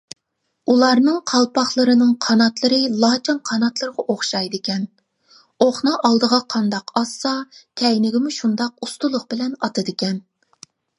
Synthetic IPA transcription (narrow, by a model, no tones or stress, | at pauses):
ulˠɑɾnɨŋqʰɑlˠpɑχlˠəɾɨnɨŋqʰɑnɑt̪lˠɨɾɨlˠɑːt͡ʃʰɑnqʰɑnɑt̪lˠəɾəʁɑʔoχʃɑjd̪ɪkʲɛn | oχnɑʔɑlˠd̪əʁɑqʰɑnd̪ɑqʰɑsːɑkʲʰɛjnɪɡʲɪmuʃund̪ɑq̚ust̪ulˠʊqbɪlɛnɑt̪ɨd̪ɪkʲɛn